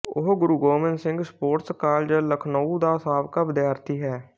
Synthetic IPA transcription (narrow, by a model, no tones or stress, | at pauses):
ʊ̰ɦɡʊɾuːɡoːmɪnsɪ̃ŋɡspoːɾʈskaːld͡ʒələkʰnəːud̪aːsaːbkaːbɪd̪jaːɾt̪iːɦɛː